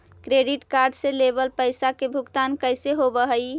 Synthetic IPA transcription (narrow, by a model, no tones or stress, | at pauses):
kɾeɖiʈkaɾɖselebəlpəjsakebʱukt̪ankəjseɦobəɦəj